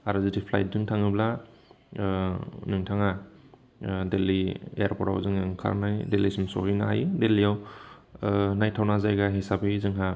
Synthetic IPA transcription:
aɾazitipʰla̰jt̚dɯŋtʰaŋɯbla | nɯŋtʰaŋa | deliḛaɾpɔɾa̰wzɯŋɯŋkʰa̰ɾnajdelisimsɔ̰hijnaa̰jdelijaw | najtʰawnazajɡaɦesapʰɯjzɯŋɦa

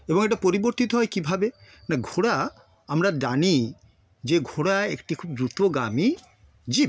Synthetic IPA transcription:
eboŋeʈapoɾiboɾt̪it̪oɦɔjkibʱabenaɡʱoɽa | amɾad͡ʒani | d͡ʑeɡʱoɽaḛkʈikʰub̚d̪ɾut̪oɡa̰mi | d͡ʑi

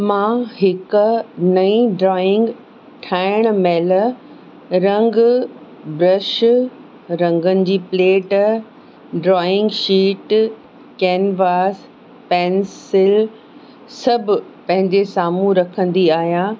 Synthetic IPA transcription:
mãːɦɪknɐĩɖɾɔːɪ̃ŋɡ | ʈʰaːɪɽ̃meːl | ɾɐ̃ŋɡ | bɾɐʃ | ɾɐ̃ŋɡənɪ̆d͡ʑiːpleːʈ | ɖɾɔːɪ̃ŋɡʃiːʈ | kɛːnʋaːs | pɛːnsɪl | sɐbʱʊpɐ̃ɦɪ̃ɲd͡ʑesaːmũɾɐkʰə̃n̆d̪iaːɦijãː

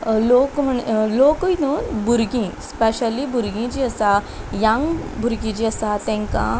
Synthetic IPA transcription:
lokm̤əɳlokəinuːnbʱuɾɡĩspeɕəlibʱuɾɡĩd͡ʑiəsa | jãŋbʱuɾɡĩd͡ʑiəsat̪ɛ̃ŋkã̰

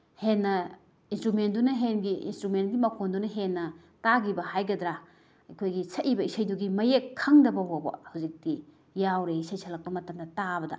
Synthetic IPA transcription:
henːɐ | instɾumentdunɐɦenɡiʔḭnstɾumentɡimɐkʰondunɐɦenːɐ | taɡibɐhajɡɐdɾa | ɐjkʰojɡisʰɐʔibɐisɐjduɡimɐjekʰːɐŋdɐbɐwabɐ̰hawzik̚ti | jawɾeisɐjsʰɐlɐk̚pɐmɐtɐmdɐtabɐdɐ̰

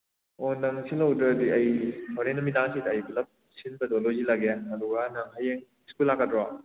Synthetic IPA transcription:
onɐŋsinlɐwdɾɐɐdiɐjhɔwɾenːɐmidaŋsidɐːjplɐp̚ | sinbɐdolozilaɡeɐduɡɐnɐŋɦajeŋ | skulːakːɐtdɾa

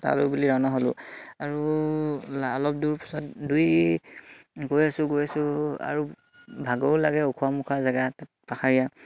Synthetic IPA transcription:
ta̰lobuliɹaʊnaɦolʊ̰aɹu | alɔp̚duɹpḁsɔtduj | ɡojasʊ̃ɡojasʊa̰ɹu | bʱaɡoʊlaɡɛokʰuamukʰazaɡatatpakʰaɹija

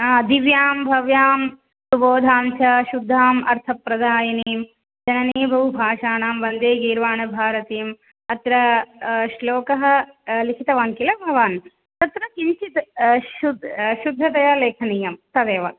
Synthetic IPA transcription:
d̪iʋjaːmbʱɐʋjaːm | suboːd̪ʱaːnsʰɐʃud̪ʱːaːmɐ̰ɾt̪ʰɐpɾɐd̪ʱaːjɐniːm | d͡ʒɐnɐniːbʱɐʋubʱaːʃaːɳaːmʋɐnd̪eːɡiːɾʋaːnɐbʱaːɾɐt̪iːm | ɐt̪ɾɐʃloːkɐɦɐ̆ | likʰit̪ɐʋaːnkilɐbʱɐʋaːn | t̪ɐt̪ɾɐkint͡ʃit̪ud̪ʃud̪ʱːɐt̪ɐjɐleːkʰɐniːjɐmt̪ɐd̪eːʋɐ̰n

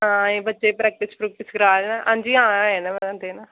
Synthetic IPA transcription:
ɦãːeːbətːʃeːpɾɛːk̚ʈɪspɾuk̚ʈɪsɡɾaːd͡ʒnaʔãːnd͡ʒiːãːeːnãːʋɛãːnd̪eːnaː

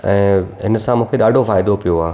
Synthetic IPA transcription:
ɛ̃ːɦɪnsãmũːkʰeɗaːɖʱofaːɪd̪opijoaː

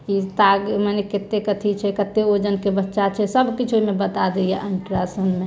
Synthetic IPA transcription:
kit̪aɡməneket̪ekət̪ʰit͡ʃʰɛkət̪ːeod͡ʒənkebətːʃat͡ʃʰɛsəbkit͡ʃʰoimebət̪ad̪ejɛʔəɳʈɾasənme

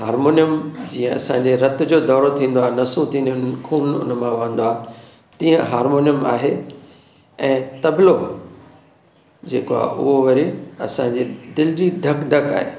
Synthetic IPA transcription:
ɦaːɾmoːnijəmd͡ʑiːə̃ɐ̰sãɲd͡ʑeɾɐt̪ʊd͡ʑoːd̪ɔːɾot̪ʰĩːn̆d̪oaːenɐsũt̪ʰĩːnʊnkʰuːnʊ̰nmãʋãːn̆d̪oaː | t̪ĩːə̃ɦaːɾmoːnijəma̰ːɦe | ɛ̃ːt̪ɐblo | d͡ʑeːkoa̰ːʔʊ̰ɦoʋɐɾiɐ̰sãɲd͡ʑed̪ɪlɪd͡ʑid̪ʱɐkd̪ʱɐka̰ːɦḛː

